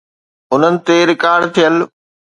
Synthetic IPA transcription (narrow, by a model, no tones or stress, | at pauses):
ʊn̤ənɪ̆t̪eɾɪkaːɾɖt̪ʰijəl